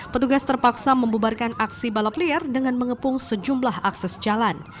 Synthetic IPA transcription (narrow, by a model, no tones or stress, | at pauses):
pət̪uɡast̪ərpaksaməmbubarkanʔaksibalapliɛrdəŋanməŋəpʊŋsəd͡ʒumlahʔaksɛsd͡ʒalan